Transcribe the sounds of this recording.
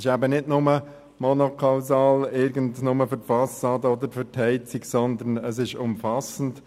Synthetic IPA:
ɪʃæbənɪdnʊmə | mɔnokʰɑʊsɑːlɪɾɡəntnʊməfʏɾtfɑsɑːdəɔd̪əɾfʏɾtʰhɛɪt͡siksɔnd̪ənəs̬ɪʃʊmfɑsən̩t

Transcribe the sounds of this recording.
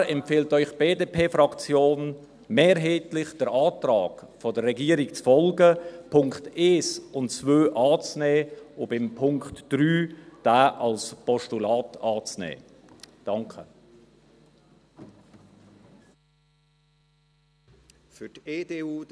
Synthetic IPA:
ɛmfeːltœʏχb̥eːdeːpʰeːfɾɑkt͡sjoːn | meːɾɦeːtlɪχd̥əɾaːtrɑːɡ̥fɔdərːɛɡiːəɾɪkt͡sfɔlɡəpʰʊŋkteːsʊntt͡svøːʔɑːt͡snɛːʊbɪmpʰʊŋktd̥ɾyːd̥aːʔɑlspʰɔʃtulɑːtɑːt͡snɛ̰ː | d̥ɑŋkʰə | fʏteːdeːuː

